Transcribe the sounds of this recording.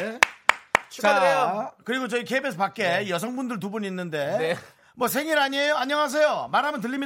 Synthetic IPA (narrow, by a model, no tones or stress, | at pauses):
t͡ɕaeokɯɾiɡot͡ɕʌikʰebesʰʌpak͈e̞jʌs̬ʰʌŋbundɯɭt̬ubuɲinːɯnde̞ | mwʌs̬ʰe̞ŋiɾaɲiejoaɲʌŋas̬ʰe̞jomaɾɦamjʌntɯɭʎːim